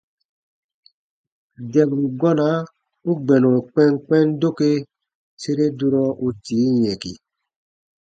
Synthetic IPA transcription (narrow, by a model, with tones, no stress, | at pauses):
dɛ˨bu˨ɡɔ˦na˨˦ | u˦ɡ͡bɛ˨nɔ˨k͡pɛ˦ŋk͡pɛ˦ndo˦ke˦ | se˦ɾe˦du˦ɾɔ˦u˦tiː˨˦jɛ˨kḭ˨